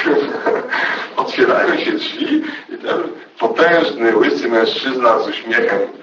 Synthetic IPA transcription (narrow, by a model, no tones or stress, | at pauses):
ɔt̪fʲjɛɾa̰jɔ̃wɕɛdlʲiit̪ɛm | pɔt̪ɛ̃w̃ʐnɘwɪsɘmɛ̃w̃ʂt͡ʂɘznazuɕmʲjɛxɛm